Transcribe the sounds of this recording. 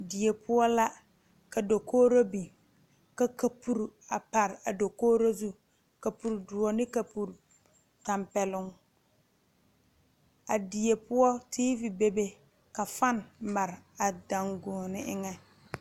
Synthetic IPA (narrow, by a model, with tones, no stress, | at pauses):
dɪ˨e˨pʰʊ˦ɔ˦la˦ | ka˨do˨koː˦ɾo˦bi˨ | ka˨ka˨pu˦˨ɾa˨pa˨ɾɪ˨a˨do˨koː˦ɾo˦zu˦ | ka˨pu˨ɾdu˨ɔ˨nɪ˦ka˨pu˨ɾu˨ | ta˨mpɛ˨lʊ˦ŋ | a˨dɪ˨e˨pʊ˦ɔ˦tʰiː˦vi˨be˨be˦ | ka˨fa˦n˨ma˨ɾɪ˨a˨da˨ŋɡoː˨nɪ˦ʔɪ˦ŋɛ˦